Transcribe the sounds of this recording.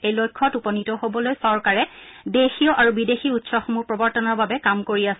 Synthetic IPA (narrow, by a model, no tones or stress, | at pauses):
ejlojkʰːɔtupɔnitɔɦobɔlojsɔɹkaɹɛ | dexiɔʔaɹubidexiutsɔxɔmupɹɔbɔɹtɔnɔɹbabɛkamkoɹias